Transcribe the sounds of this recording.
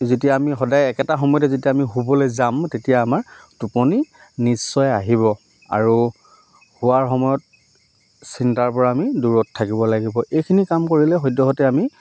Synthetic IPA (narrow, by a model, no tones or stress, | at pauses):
zetijaːmixɔdajɛkɛtaxɔmɔjɔtɛzetiaamiɦubɔlɛzamtetijaːmaɹtupɔni | nisːɔjaɦiβɔ | a̰ɹu | hʊaɹxɔmɔjɔt̚ | sintaɹpɔɹaːmiduɹɔtʰːakibɔlaɡibɔʔejkʰinikamkoɹilɛɦɔjdɔɦɔtɛami